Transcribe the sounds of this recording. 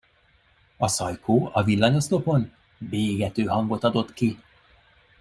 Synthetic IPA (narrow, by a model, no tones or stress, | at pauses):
ɒsɒjkʰoːɒvilːɒɲo̞st̪o̞po̞n | beːɡɛt̪øːɦɒŋɡo̞t̪ɒd̪o̞t̪ki